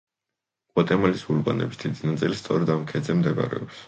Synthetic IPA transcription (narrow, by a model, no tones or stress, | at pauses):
kʼwat̪ʼɛmalisulba̰nɛ̰bisd̪id̪inat̪sʼilist̪sʼɔɾɛd̪amkʰɛd̪zɛmd̪ɛɡa̰ɾɛ̰ɔps